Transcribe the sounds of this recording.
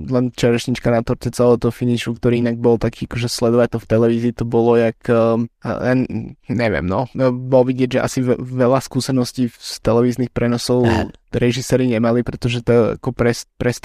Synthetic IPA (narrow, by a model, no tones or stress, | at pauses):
lɛnt͡ʃɛɾɛʃɲit͡ʃkanat̪ɔɾtɛt͡sɛlɛt̪ɔfiniʃukt̪ɔɾiːinaɡ̚bɔlt̪akʰiːakɔʒɛslɛd̪ɔʋac̚t̪ɔft̪ɛlɛʋiːziːt̪ɔbɔlɔjakː | aɲɛʋɪɛ̰mnɔbɔlʋiɟɪɛɟʒɛʔa̰siʋɛlaskuːsɛnɔsciːst̪ɛlɛʋiːznixpɾɛnɔsɔʊɾɛʒisɛːɾiɲɛmalipɾɛt̪ɔʒɛt̪ɛa̰kɔpɾɛspɾɛst̪